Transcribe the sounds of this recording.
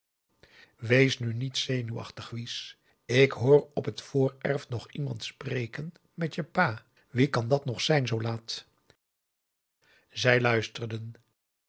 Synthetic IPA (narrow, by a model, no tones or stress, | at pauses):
ʋejsnynitsejnyɑ̰χtəχʋis | ɪkɦʊːrɔpɦətfʊːɹɛɹfnɔχimɑntsprejkən | mɛtjəpaː | ʋikɑndɑtnɔχsɛjnzowlaːt | zɛjlœɥstərdən